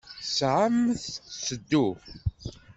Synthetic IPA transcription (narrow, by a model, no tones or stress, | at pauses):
sʕamθsəd̪ːu